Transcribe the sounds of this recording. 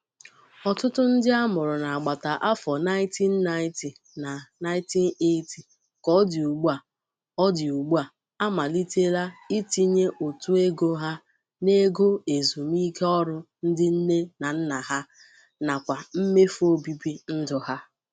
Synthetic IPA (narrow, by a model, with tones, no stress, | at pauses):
ɔ˨tʊ˦tʊ˦n̩˦dɪ˦a˦mʊ˨ɾʊ˨na˨a˨ɡ͡ba˨ta˨ʔa˦fɔ˨na˦ɪ̃˦ti˦n̩ː˦a˦ɪ˦ti˨ | na˨na˦ɪ̃˦ti˦n˦e˦ti˨ | kɔ˦dɪ˨u˨ɡ͡bu˦a˨ | ɔ˦dɪ˨u˨ɡ͡bu˦a˨ | a˦ma˨li˦te˦la˦i˦ti˦ɲe˦ʔo˨tu˦e˦ɡo˦ɦa˦ | ne˦ɡo˦e˨zu˨m˦i˦ke˦ɔ˦ɾʊ˦n̩˦dɪ˦n̩˦ne˦na˨n̩˦na˨ɦa˦ | na˨kʷa˨m̩˦me˦fo˦bi˦bi˦n̩˦dʊ˨ha˦